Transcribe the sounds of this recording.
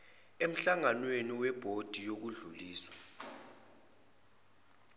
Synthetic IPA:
em̩ɬaŋanweniwɛb̥ʱod̥ʱijok̬uɮuliːswḁ

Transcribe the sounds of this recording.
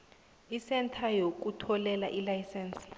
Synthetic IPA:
isɛntʰajok̬utʰɔlɛlaʔilajsɛːnsi̥

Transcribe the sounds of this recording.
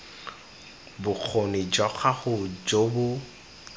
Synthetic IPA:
bʊk͡xʰonɪd͡ʒɔk͡xʰaχʊd͡ʒobʊ

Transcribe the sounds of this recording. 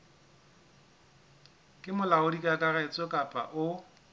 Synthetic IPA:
kʼɪmʊlaʊdikʼakʼaɣɛt͡sʼɔkʼapʼa̰ʔʊ

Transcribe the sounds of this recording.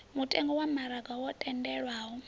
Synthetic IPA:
mutʼɛŋɡɔwamaɾaɡawɔtʼɛndɛɺwaɦɔ

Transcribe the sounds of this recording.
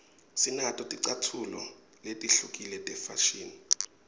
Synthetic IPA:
sinatʼɔtʼiǀatʰulɔ | letʼiɬukʼilɛtʼɛfaʃiːni

